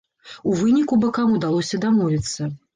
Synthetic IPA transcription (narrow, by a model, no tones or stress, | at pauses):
uvɨnʲikubɐkamud̪alˠɔsʲɐd̪amɔvʲit̪sːɐ